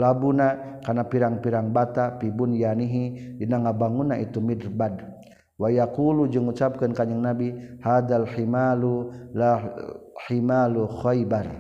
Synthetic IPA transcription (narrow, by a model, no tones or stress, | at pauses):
labunakarnapiɾaŋpiɾaŋbat̪apibunjaniɦidinaŋabaŋunaʔit̪umidrbad | wajakulud͡ʒɨŋut͡ʃap̚kənkaɲəŋnabihad̪alħimalula | ħimaluxɔjbar